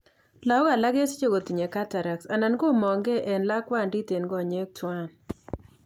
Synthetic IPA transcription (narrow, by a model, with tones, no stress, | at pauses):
la˦o˦ɡa˨la˦ɡe˦st͡ʃo˦ɡo˨t̪i˨ɲe˨ka˦ta˨ɾa˨ksa˨na˨nɡo˦mɔ˨ŋɡe˦ʔɛ˨nla˦kwa˦˨ndi˦te˨nɡɔ˦˨ɲe˦k̚tʰwa˦n